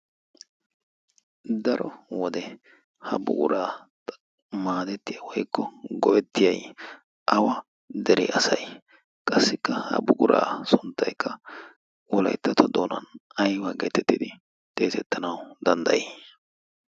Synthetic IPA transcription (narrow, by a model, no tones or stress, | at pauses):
d̪ɐɾɔwɔd̪ɛ | hɐbʊ̰ɡʊɾaːt | maːd̪ɛt̪ːɪjɐwɔjkːɔɡɔʔɛt̪ːɪjɐj | ʔɐwɐ | d̪ɛɾɛ̰ʔɐsɐj | kʼɐsːɪkːɐhɐ̰bʊɡʊɾʔa̰ːsʊnt̪ːɐjkːɐ | wɔlɐ̰jt̪ːɐt̪ʰɔd̪oːnɐ̰nɐjwɐɡɛt̪ɛt̪ːɪd̪ɪ | t̪ʼe̞ːsɛt̪ːɐnɐwd̪ɐnd̪ɐ̰jɛ